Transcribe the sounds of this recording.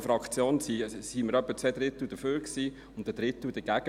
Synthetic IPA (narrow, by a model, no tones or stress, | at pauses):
fɾɑkt͡sjoːnsisiməɾœpːət͡sʋɛd̥̪ɾɪt̪ud̥̪əføːɾksiː | ʊntd̥əd̥̪ɾɪt̪ud̥əɡ̥æɡ̥ə